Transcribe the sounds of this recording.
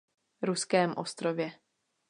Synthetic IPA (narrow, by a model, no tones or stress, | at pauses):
ɾuskɛːmʔost̪ɾovjɛ